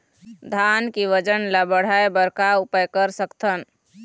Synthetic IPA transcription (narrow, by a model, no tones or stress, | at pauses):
d̪ʱankiʋəd͡ʒənlabəɽ̤aebəɾkaupəjkəɾsəkt̪ʰən